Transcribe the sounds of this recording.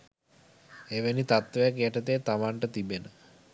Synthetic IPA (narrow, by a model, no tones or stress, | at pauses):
eʋenit̪at̪ʋəjakjeʈət̪eːt̪amaɳʈət̪ibenə